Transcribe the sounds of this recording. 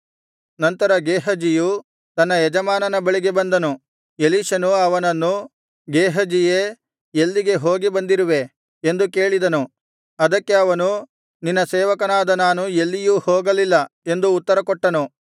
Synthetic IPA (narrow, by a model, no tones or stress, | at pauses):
nɐnt̪ɐɾɐɡeːɦɐd͡ʒiju | t̪ɐnːɐjɛd͡ʒɐmaːnɐnɐbɐɭiɡe̞bɐnd̪ɐnu | eliːʃɐnuɐʋɐnɐnːu | ɡeːɦɐd͡ʒije | elːiɡe̞ɦo̞ːɡibɐnd̪iɾuʋe̞ | end̪uke̞ːɭid̪ɐnu | ɐd̪ɐkːe̞ɐʋɐnu | ninːɐsɛːʋɐkɐnaːd̪ɐnaːnuelːijuːhoːɡɐlilːɐe̞nd̪uːt̪ːɐɾɐkɔʈːɐnu